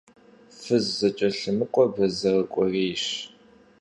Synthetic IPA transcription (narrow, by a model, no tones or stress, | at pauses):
fɨzːɐt͡ʃʼɐɬɨmɨqʷʼɔbɐzɐrəkʷʼɔreːɕ